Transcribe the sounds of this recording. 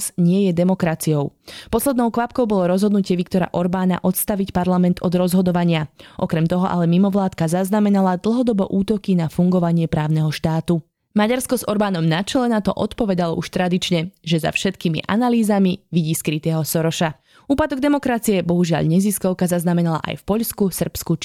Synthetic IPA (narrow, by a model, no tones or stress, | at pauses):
sɲɪɛjɛd̪ɛmɔkɾat͡sijɔʊpɔslɛd̪nɔʊkʋapkɔʊbɔlɔɾɔzɦɔd̪nucɪɛʋikt̪ɔɾa̰ʔɔɾbaːna̰ʔɔt̪st̪aʋicpaɾlamɛnt̪ɔd̪ɾɔzɦɔd̪ɔʋaɲɪaʔɔkɾɛmt̪ɔɦɔʔa̰lɛmimɔʋlaːt̪kazaznamɛnalad̪l̩ˠɦɔd̪ɔbɔʔuːt̪ɔkinafuŋɡɔʋaɲɪɛpɾaːʊnɛɦɔʃt̪aːt̪u | maɟaɾskɔzɔɾbaːnɔmnat͡ʃɛlɛnat̪ɔ̰ʔɔt̪pɔʋɛd̪alɔ̰ʔuʃt̪ɾad̪it͡ʃɲɛʒɛza̰fʃɛt̪kimḭʔa̰naliːzamiʋiɟiːskɾit̪ɛːɦɔsɔɾɔʃa | uːpad̪ɔɡd̪ɛmɔkɾat͡siɛbɔɦuʒɪa̰ʎɲɛziskɔʊkazaznamɛnala̰ʔa̰jfpɔʎskusr̩psku